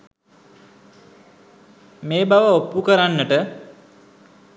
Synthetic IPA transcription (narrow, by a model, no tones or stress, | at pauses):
meːbaʋəopːukəɾanːəʈə